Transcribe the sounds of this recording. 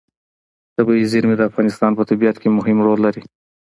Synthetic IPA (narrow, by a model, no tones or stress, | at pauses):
t̪abiizɪɾmid̪əafɣɑnɪst̪ɑnpət̪abijat̪kemʊɦɪmɾolːaɾi